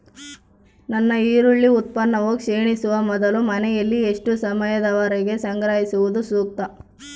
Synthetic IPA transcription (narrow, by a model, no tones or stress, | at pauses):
nɐnːɐiːɾuɭːiut̪̚pɐnːɐʋokʂeːɳisuʋɐmɔd̪ɐlumɐnɛjɐlːieʂʈusɐmɐjɐd̪ɐʋaɾɛɡe̞sɐŋɡɾaːɦisuʋud̪usuːk̚t̪ɐ